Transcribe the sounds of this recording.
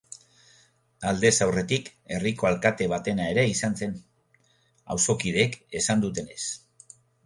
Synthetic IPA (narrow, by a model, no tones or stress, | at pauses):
ald̪e̞sawre̞t̪ike̞riko̞alkat̪e̞β̞at̪e̞nae̞ɾe̞isanse̞n | a̰wso̞kið̞e̞ke̞sand̪ut̪e̞ne̞s